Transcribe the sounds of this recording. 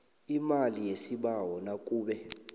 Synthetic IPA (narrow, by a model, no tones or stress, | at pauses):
imalijesiɓawɔnakʼuːɓɛ